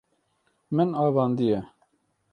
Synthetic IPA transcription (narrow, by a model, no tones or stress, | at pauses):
mɪnɑːvɑːnd̪ijɛ